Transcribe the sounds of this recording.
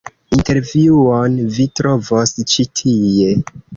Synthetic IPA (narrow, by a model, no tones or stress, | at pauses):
inte̞ɾviuonvitɾo̞vost͡ʃitʰie̞